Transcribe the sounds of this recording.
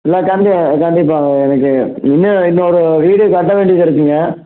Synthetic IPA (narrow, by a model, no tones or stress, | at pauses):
ɪlːaːkɐɳɖɪkɐɳɖɪpːaːɛnɐk̬ːɯɪnːɐɪnːoːɽɯʋiːɽɯkɐʈːɐʋeːɳɖɪkːɐɾɯk̬ːiːŋɡɐ